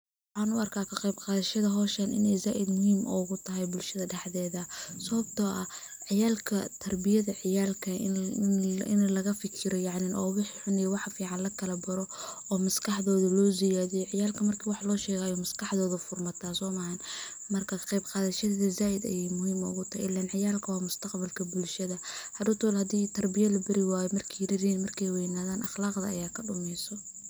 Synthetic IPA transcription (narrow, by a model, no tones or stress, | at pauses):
ww | ħɑːnʊɐrkʰaːkʰɐqɑjbqɑːðɐʃɐðɐɦɔːʃɐnʔɪ̰nɛjzaːʔɪd̪mʊhiːmʔɔ̰ɣʊt̪ʰɐɦɛjbʊlʃɐðɐɖɛħðɛːðɐsɐβɐb̚t̪ʰɔːʔɐ̰ | ʕɪjaːlkʰɐt̪ʰɐrbɪjɐðɐʕɪjaːlkʰɐ̰ | ɪ̰nlɐɣɐfɪkʰɪɾɔjɑʕnɪnʔɔ̰ːwɪħiħʊnɪjɛwɑħɑfiːʕɑnlɐkʰɐlɐbɐɾɔ | ɔːmɐskʰɑħðɔːðɐlɔːzɪjaːðɛjɔʕɪjaːlkʰɐmɐrkʰiːwɑħlɔːʃɛːɣaːjɔːmɐskʰɑħðɔːðɐfʊrmɐt̪ʰaːsɔːmɐhɐn | mɐrkʰɐqɑjbqɑːðɐʃɐðɛðɐzaːʔɪd̪ɐ̰jɛjmʊhiːmɐʊ̰ɣʊt̪ʰɐ̰ɪ̰lɛnʕɪjaːlkʰɐwɑːmʊst̪ʰɐqbɐlkʰɐbʊlʃɐðɐhɐd̪ʊt̪ʰɔlhɐd̪iːt̪ʰɐrbɪjɐlɐbɐɾɪwaːjɔmɐrkʰijɾɪɾiːnmɐrkʰɛjwɛːnaːðaːnʔɑχlɑːqd̪ɐ̰ɐ̰jaːkʰɐɖʊmɛjsɔ